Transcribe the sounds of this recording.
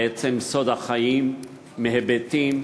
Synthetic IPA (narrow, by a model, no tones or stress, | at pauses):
ʔet͡semso̞d̪haχajimː | eɦebet̪im